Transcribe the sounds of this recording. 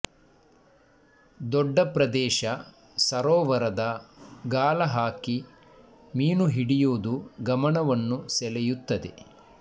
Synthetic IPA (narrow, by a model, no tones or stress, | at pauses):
d̪ɔɖːɐpɾɐd̪ɛːʃɐ | sɐɾɔːʋɐɾɐd̪ɐɡaːlɐɦaːki | miːnuɦiɽijoːd̪uɡɐmɐɳɐʋɐnːusɛlɛjut̪ːɐd̪e